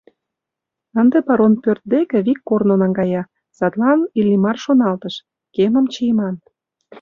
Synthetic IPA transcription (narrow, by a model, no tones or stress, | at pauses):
ənd̪epɑɾonpørt̪̚d̪ekĕβikːornonɑŋɡɑjɑ | sɑt̪lɑnilʲimɑrʃonɑlt̪əʃ | kemə̆mt͡ɕijmɑn